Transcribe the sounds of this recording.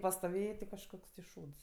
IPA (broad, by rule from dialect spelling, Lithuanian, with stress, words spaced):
pɐstoːˈʋʲeːjeː tʲɪ kɐʃˈkoːks tʲɪ ˈʃuːts